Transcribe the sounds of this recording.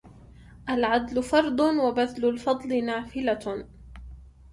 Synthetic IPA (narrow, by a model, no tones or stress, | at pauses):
ʔalʕad̪lʊfɑɾˤd̪ˤʊwabaðlʊlfɑd̪ˤlɪnaːfɪla